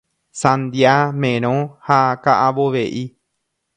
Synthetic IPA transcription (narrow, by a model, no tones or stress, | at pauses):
sãnd̪jamẽɾ̃õhakaʔaβoʋeʔi